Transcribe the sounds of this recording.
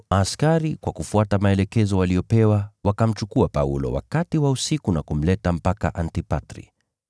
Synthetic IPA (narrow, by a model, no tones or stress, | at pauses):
askaɾikwakufuatamaɛlɛkɛzɔwaliɔpɛwawakam̩t͡ʃukuapaṵlɔ̰wa̰katiwausikunakum̩lɛtam̩paka̰ʔantipatɾḭ